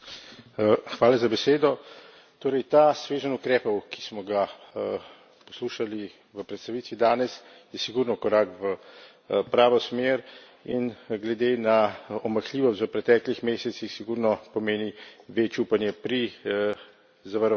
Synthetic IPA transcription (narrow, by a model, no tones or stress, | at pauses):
xʋaːlazabɛseːd̪ɔ | t̪oːɾɛjt̪aːsʋeːʒənukɾɛːpɔwki̥smɔɡa | pɔsluːʃali | ʋəpɾɛt̪st̪aʋiːt̪ʋid̪aːnɛs | jɛsiɡuɾnɔkɔɾaːkʋə | pɾaːʋɔsmeːɾ | inɡlɛd̪eːnaɔmaxliːʋɔst̪ʋəpɾɛt̪ɛklixmeːsɛt̪sixsiɡuɾnɔpɔmeːniʋet͡ʃuːpanjɛpɾi | zaʋaɾ